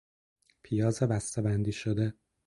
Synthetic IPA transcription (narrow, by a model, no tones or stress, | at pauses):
pʰijɒːzebæst̪ebænd̪iːʃod̪e